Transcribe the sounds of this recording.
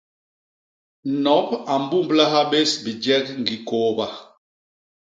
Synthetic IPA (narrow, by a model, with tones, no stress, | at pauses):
nɔ˨˦pa˨m˦bu˦mbla˦ɦa˦be˦sbi˨d͡ʒɛ˦kŋ˨ɡi˨ko˦ba˨